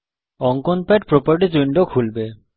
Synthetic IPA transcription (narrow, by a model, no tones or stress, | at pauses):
ɔŋkɔnpaʈ̚pɹopaɹʈ̬id͡ʑuɳɖokʰulbe